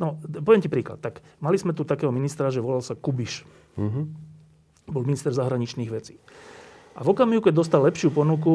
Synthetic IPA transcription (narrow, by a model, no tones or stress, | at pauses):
nɔpɔʋɪɛmcipɾiːklat̪ːakmalizmɛt̪ut̪akɛːɦɔminist̪ɾaʒɛʋɔlalsakubiʃ | bɔlminist̪ɛɾzaɦɾaɲit͡ʃniːɣʋɛt͡si̥ː | ʔavɔkamiɦukɛɟd̪ɔst̪alɛpʃɪupɔnuku